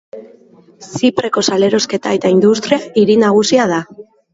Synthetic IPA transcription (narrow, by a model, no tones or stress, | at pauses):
sipɾe̞ko̞sale̞ɾo̞ske̞t̪ae̞t̪aind̪ust̪ɾiaiɾinaɣ̞usiað̞a